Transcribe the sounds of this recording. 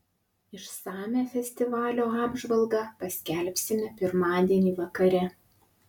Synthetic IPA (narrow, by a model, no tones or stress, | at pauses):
ɪʃsɑːmʲæfʲɛsʲt̪ʲɪʋɑːlʲoːɑːbʒʋɐlˠɡɑːpɐsʲkʲɛlʲpʲsʲɪmʲɛpʲɪɾmɑːd̪ʲiɛnʲiːʋɐkɐɾʲɛ